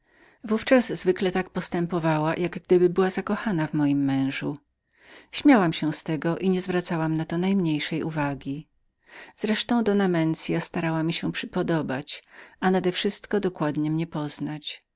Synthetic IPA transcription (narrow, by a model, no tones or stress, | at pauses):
vuft͡ʂazzvɘklɛt̪akpɔst̪ɛmpɔvawajʔaɡɡd̪ɘbɘbɘwazakɔxanavmɔjimːɛ̃w̃ʐu | ɕmʲjawamɕɛw̃st̪ɛɡɔʔiɲɛzvɾat̪sawamnat̪ɔnajmɲejʂɛjʔṵvaɡʲi | z̥ɾɛʂt̪ɔ̃w̃d̪ɔnamɛnt̪sʲjast̪aɾawamʲiɕɛpʂɘpɔd̪ɔbat͡ɕanad̪ɛfʂɘst̪kɔd̪ɔkwad̪ɲɛmɲɛpɔznat͡ɕ